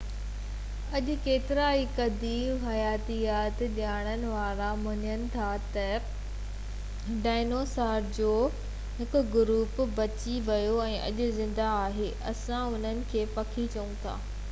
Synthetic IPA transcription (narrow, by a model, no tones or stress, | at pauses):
ɐʄʊ̆keːt̪ɪɾaːikɐd̪iːbɦɐjaːt̪ijaːt̪ʄaːɽ̃ənɪ̆ʋaːɾãmɐɲənɪ̆t̪ʰat̪ɐ | ɖaːɪnoːsaːɾd͡ʑoː | ɦɪkʊɡʊɾuːpbɐt͡ɕiʋɐjoɛ̃ːʔɐ̰ʄʊ̆zɪ̃nd̪aːɦeːʔɐsãʊn̤ənɪ̆kʰeːpɐkʰit͡ɕɐũt̪ʰa̰ː